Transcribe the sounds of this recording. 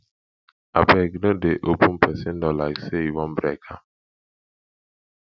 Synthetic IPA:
a̰bɛɡnodeʔopʰũnpʰɛsĩndɔlaɪkseivɔ̃nbɹɛkʰa

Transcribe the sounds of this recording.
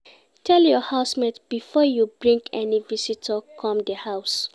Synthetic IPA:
tʰɛljɔhaʊsmedb̥ifɔjubɹĩŋkʰɛnivisitʰəkʰɔ̃mdəhaʊs

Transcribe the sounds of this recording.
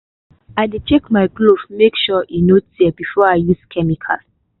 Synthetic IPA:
aɪdet͡ʃɛkmajklofmekʃɔʔĩnotdibifɔaɪjuskʰɛmikʰa̰l

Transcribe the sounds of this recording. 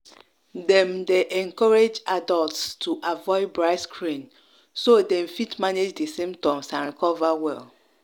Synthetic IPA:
dɛ̃mdeʔɛ̃ŋkɔɹed͡ʒadɔltstʰuʔavɔɪd̚bɹaɪskʰɹĩn | sodɛ̃m̩fitmaned͡ʒdesẽmtɔ̃msãnɾikɔvawɛl

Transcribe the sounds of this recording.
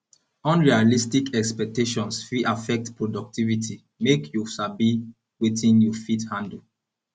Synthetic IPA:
ɔ̃nɹialistikɛkspɛk̚teʃɔ̃nsfiʔafɛk̚tpɹodɔk̚tʰivitʰi | mekʰjusabi | wetʰĩnjufithãndl

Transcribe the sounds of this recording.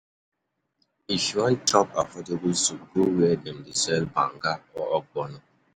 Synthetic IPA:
iʃuantʰɔpa̰fɔdebulsuɡuwɛdɛmdisɛlba̰ŋɡaɔɔɡ͡bɔnɔ

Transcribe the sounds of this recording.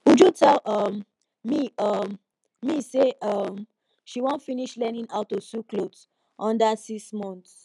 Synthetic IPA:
ud͡ʒutʰɛlʌm | miʌm | miseʔʌm | ʃiwɔ̃ntfiniʃlɛnĩnaʊtːosuklods | ʔɔ̃ndasiksmɔ̃nts

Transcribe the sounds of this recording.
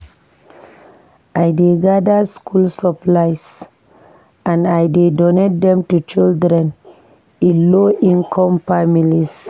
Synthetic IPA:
ajdeɡadaskʰulsəplaɪs | ãnajdedonet̚dɛ̃mtut͡ʃildɾɛ̃n | ĩloʔĩnkʰɔ̃mfamilis

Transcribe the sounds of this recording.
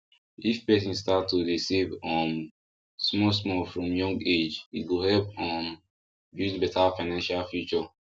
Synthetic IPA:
ifpɛsĩnstatːoɹisivʌ̃m | smɔsmɔfɹɔ̃mjɔ̃ŋɡed͡ʒiɡohɛlpɔ̃m | jũbɛtafaɪnãnʃalfjut͡ʃɔ

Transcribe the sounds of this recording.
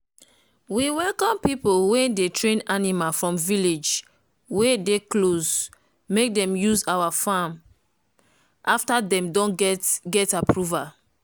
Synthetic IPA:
wiwɛlkɔ̃mpipolwedetɹẽnanimalfɹɔ̃mviled͡ʒ | wedekloz | mek̚dɛ̃mjuzawafãm | ʔaftadɛ̃mdɔ̃ntɡɛtapɹuval

